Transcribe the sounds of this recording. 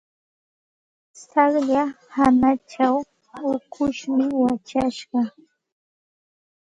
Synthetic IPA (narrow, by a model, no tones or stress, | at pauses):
saχʎa | hanat͡ʃaw | ʊkʰʊʃmɪwat͡ʃaʃɢɑ